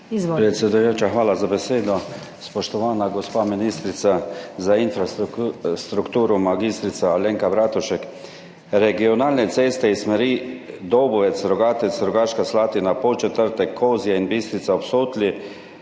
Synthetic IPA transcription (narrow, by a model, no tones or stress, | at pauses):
pɾɛt̪sjɛd̪ujoːt͡ʃaxʋaːlazabɛseːd̪ɔ | spɔʃt̪ɔʋaːnaɡɔspaminist̪ɾit̪sazainfɾast̪ɾukt̪uːɾumaɡist̪ɾit̪saaleːŋkabɾaːt̪uʃɛk | ɾɛɡiɔnaːlnɛt̪seːst̪ɛismɛɾid̪owbɔʋɛsɾɔɡaːt̪ɛt̪sɾɔɡaʃkaslaːt̪inapot͡ʃɛt̪əɾt̪ɛkʰːozijainbist̪ɾit̪saopsoːt̪li